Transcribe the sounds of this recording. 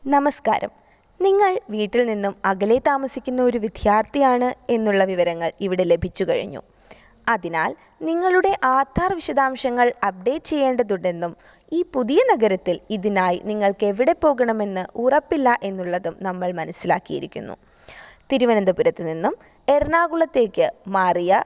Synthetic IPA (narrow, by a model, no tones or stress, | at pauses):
nɐmɐska̰ːɾɐ̰m | niŋːɐɭʋiːʈːilninːumɐɣɐlet̪ːaːmɐsikʲːunːɐo̞ɾuʋid̪ʱjaːrt̪ijaːɳɨe̞nːuɭːɐʋiʋɐɾɐŋːɐɭiʋiɽe̞le̞bʱit͡ɕːukɐ̰ɻḭɲːṵ | ɐðina̰ːl | niŋːɐɭuɽe̞ʔaːt̪ʰːaːrʋiɕɐd̪aːmɕɐŋːɐɭɐp̚ɖe̞ʈt͡ɕe̞jːe̞ːɳɖɐðuɳɖe̞nːum | iːpuðijɐnɐɣɐɾɐt̪ːiliðinaːjniŋːɐɭkeʋiɽe̞pːo̞ːɣɐɳɐme̞nːɨurɐpːilːɐʔe̞nːuɭːɐðumnɐmːɐɭmɐnɐsːila̰ːkːijḭɾikʲːṵnːṵ | t̪iɾuʋɐnɐnd̪ɐpuɾɐt̪ːɨninːum | e̞rnaːɣuɭɐt̪ːe̞ːkʲːɨmaːrijɐ